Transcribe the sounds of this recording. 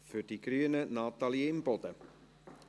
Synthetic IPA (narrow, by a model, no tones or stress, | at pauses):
fʏɾd̥iɡɾyənənɑːt̪ɑlieɪmb̥ɔd̪̥ə